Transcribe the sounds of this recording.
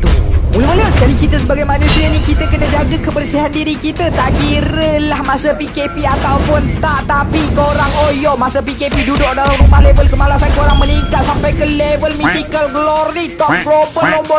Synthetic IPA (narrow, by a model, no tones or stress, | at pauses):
t̪umuləməlasəkalikit̪əs̬əbaɡajmanũsianikit̪əkənad͡ʒaɡakəbərsiɦandiɾikit̪ət̪aʔkiɾəlahmasəpikepiat̪awpʊnt̪aʔt̪apikoɾaŋojɔʔmasapikepidudʊʔ̚dalamɾumpalevəlkəmalasankoɾaŋmə̃niŋkat̪̚sampajkəlevəlmidikəlɡlɔɾit̪ɔp̚klopəlombɔ